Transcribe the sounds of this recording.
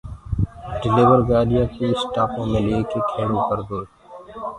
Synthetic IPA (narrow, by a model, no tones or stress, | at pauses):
ɖɪlɪʋəɾɡaːɖɪjãːkiɪsʈaːpõːmẽleːkekʰeːɽõkəɾd̪oː